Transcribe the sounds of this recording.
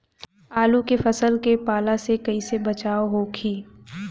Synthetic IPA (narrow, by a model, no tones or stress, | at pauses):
aːlukefɐsəlkepaːlasekɐisebɐt͡ʃaːoɦokʰiː